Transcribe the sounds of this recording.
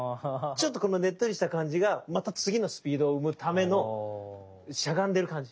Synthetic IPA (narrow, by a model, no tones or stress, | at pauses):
t͡ɕo̞t̪ːo̞ko̞no̞ne̞t̪ːo̞ɾiɕi̥t̪akãɲ̟d͡ʑiɡamat̪at͡sɨɡʲino̞sɨ̥pʲiːd̪o̞ːɯ̟mɯ̟t̪ʰame̞no̞ | ɕaɡãnd̪e̞ɾɯ̟kãɲ̟d͡ʑi